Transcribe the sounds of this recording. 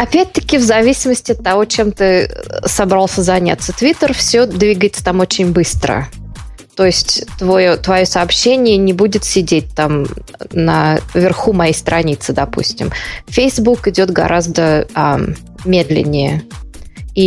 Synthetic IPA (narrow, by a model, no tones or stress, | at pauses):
ɐpʲæt̚ʲt̪ə̥kʲɪvzɐvʲisʲɪməsʲtʲɪɐt̪ːɐvo̞t͡ɕemt̪ɨsɐbɾalˠsʲəzɐnʲa̰t̪sət̪vʲit̪ərfsʲod̪vʲiɡəjɪt̪sə̥t̪amo̞t͡ɕɪnʲbɨst̪ɾə̰ | t̪o̞ɪsʲtʲt̪vojot̪vɐjo̞sɐːpɕːenʲɪjənʲɪbudʲɪt̪sʲɪdʲet̚ʲt̪amnə̰vʲɪrxumɐjejst̪ɾɐnʲit̪sɨd̪ɐpṵsʲtʲɪ̰mfʲejzbukɪdʲo̞t̪ɡɐ̰ɾʔazd̪əa | mʲe̞d̪lʲɪ̰nʲːɪjə | i